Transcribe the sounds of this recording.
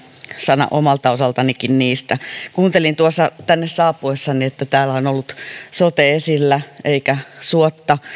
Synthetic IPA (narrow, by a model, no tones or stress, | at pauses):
sɑnɑ̰ʔomɑlt̪ɑosɑlt̪ɑnikinniːst̪ækuːnt̪elint̪uosːɑt̪ænːessɑːpːuesːɑniet̪ːæt̪æːlˑæonolːut̪sot̪eesilːæeikæsuot̪ːɑ